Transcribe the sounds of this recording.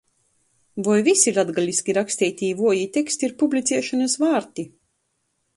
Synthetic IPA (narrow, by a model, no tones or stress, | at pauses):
vɔjvisiɾad̪ɡalʲiskʲiɾakst̪iːjt̪ʲiːvuɔjit̪ʲekst̪iɾpublʲit̪sʲɛʃanasvaːɾt̪i